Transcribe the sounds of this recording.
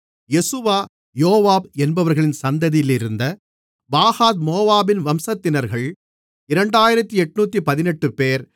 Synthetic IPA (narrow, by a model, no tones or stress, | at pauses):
jɛsɯʋaː | joːʋaːbɛnbɐʋɐɾɣɐɭɪnsɐnd̪ɐðɪjlɪɾɯnd̪ɐ | baːhaːt̪moːʋaːbɪnʋɐmsɐt̪ːɪnɐɾɣɐɭ | ɪɾɐɳɖaːjɪɾɐt̪ːiɛʈːnuːt̪ːipɐðɪnɛʈːɯpeːɾ